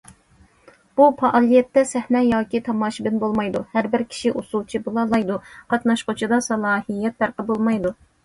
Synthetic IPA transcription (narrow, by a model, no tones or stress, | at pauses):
b̥upʰɑʔɑːlˠijɛt̪ːɛsɛhnɛjɑːkʲit̪ʰɑmɑːʃibɪnbolˠmɑjd̪uhæɾbɪɾkʲʰi̥ʃiʔusulˠt͡ʃʰibulˠɑlˠɑjd̪uqʰɑt̪nɑʃqʊt͡ʃʰid̪ɑsɑlˠɑːhijːɛt̪̚ːæɾqəbolˠmɑjd̪u